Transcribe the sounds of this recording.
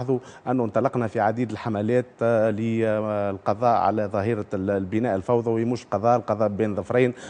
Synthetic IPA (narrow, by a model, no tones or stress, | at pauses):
ðˤuʔɪnːʊnt̪ˤɑlɑqnæfiʕad̪iːd̪ɪlħamælæːt̪lilqɑðˤɑːʔʕa̰læðˤɑɦiːɾabɪnæːʔəlfɑwðˤɑwjmuːʃlqɑðˤɑːʔlqɑðˤɑːʔbiːnðˤɑfɾˤɑːn